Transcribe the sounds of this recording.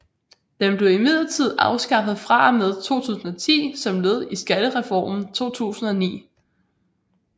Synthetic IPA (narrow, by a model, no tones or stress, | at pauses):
d̥emb̥le̝imið̞̰ˠɐt͡sʰið̞̰ˠɑ̈ʊsɡ̥ɑ̈fəð̩ˠfʁɑ̈með̞ˠt͡sʰo̝̰ːt͡sʰṵːsn̩ɒt͡sʰḭːsɒ̽mle̝ð̰ˠisɡ̥æɾ̥əʁɛfɒ̰ːmn̩t͡sʰo̝̰ːt͡sʰṵːsn̩ɒ̽nḭː